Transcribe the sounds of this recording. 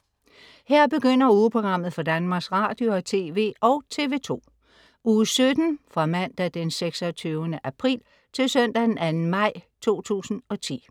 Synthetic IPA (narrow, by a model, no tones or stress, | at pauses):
heɐ̰b̥e̝ɡ̥øn̰ɐuːpʰʁo̝ɡ̥ʁɑ̈m̰ð̞̩ˠfɒ̽d̥ænmɑ̈ːɡ̥sʁɑ̈d̥jo̝ɒt͡sʰe̝ːʋe̝̰ːʔɒ̽ʊt͡sʰe̝ʋe̝ːt͡sʰo̝̰ː | uːsød̥n̩fʁɑ̈mæn̰d̥æd̥enseɡ̥sɒt͡sʰyʊənəʔæpʰʁḭːl | t͡sʰe̝lsœn̰d̥æd̥enænn̩mɑ̈ɪ̰t͡sʰo̝̰ːt͡sʰṵːsn̩ɒ̽t͡sʰḭː